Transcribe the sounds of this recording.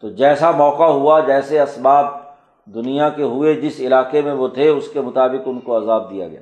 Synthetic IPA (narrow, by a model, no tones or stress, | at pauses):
t̪oːd͡ʒɛːsamɔːqaɦʊad͡ʒɛːseɐsbaːb̚ | d̪ʊnijãkeɦʊed͡ʒɪsɪlaːqemẽʋot̪ʰeʊskemʊt̪aːbɪqʊnkoɐzaːb̚d̪ija̰ɡɐjaː